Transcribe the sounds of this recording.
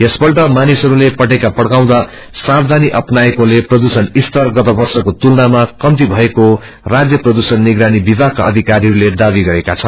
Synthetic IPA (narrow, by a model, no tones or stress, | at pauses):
esbʌrʈʌmanisʌɾulepʌʈekapʌɽkaw̃d̪a | sabd̪ʱaniʔʌpnaekoleprʌd̪usʌnist̪ʌrɡʌt̪ʌbʌrsʌkot̪ulnamakʌmt̪ibʱʌeko | rad͡zjʌprʌd̪usʌnːiɡɾanibibʱakaʌ̰d̪ʱikaɾiɦʌɾuled̪abiɡʌɾekat͡sʰʌn